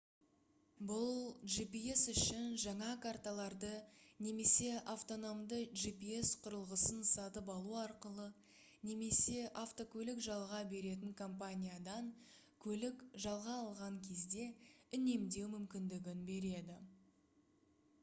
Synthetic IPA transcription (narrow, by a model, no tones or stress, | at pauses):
bʊlˠʒipie̞sʏʃɪnʒɑɴɑkʰart̪alˠɑɾd̪əne̞me̞se̞ʔaft̪o̞no̞md̪əʒipie̞sqʰʊɾəlˠʁəsənsɑt̪əpɑlˠuɑɾqəlˠə | ne̞me̞se̞ʔaft̪o̞kʲɵlɪkʒɑlˠʁɑbe̞ɾe̞t̪̬ɪŋkʰo̞mp̬anʲijad̪ɑŋ | kʲʰɵlɪkʒɑlˠʁɑːlˠʁɑŋkʲʰe̞zd̪e̞ʏne̞md̪e̞wmʏmkʲɪnd̪ɪɡʲɪnbe̞ɾe̞d̪ɪ